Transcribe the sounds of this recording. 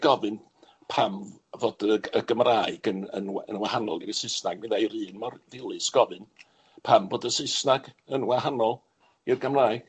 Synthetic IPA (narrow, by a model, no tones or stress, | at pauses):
ɡ̥ɔvɨn | pʰamvoːd̥əəɡəmraːɨɡ̥ənə̰nwə̰nwahanɔlˠiɾəsɪsnaɡ̚ɪðajɾɨːnmɔrvɪlˠɨsɡ̥ɔvɨn | pʰamvoːdəsɪsnaɡənwahanɔlˠ | irɡəmraːɨɡ̥